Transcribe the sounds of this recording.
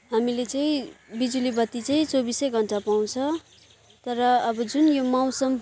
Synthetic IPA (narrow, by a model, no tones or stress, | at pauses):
ɦamilet͡sʌĩbid͡zulibʌt̪ːit͡sʌĩt͡sobisʌjɡʱʌɳʈapaw̃t͡sʰʌ | t̪ʌɾʌːbʌd͡zunjomaw̃sʌm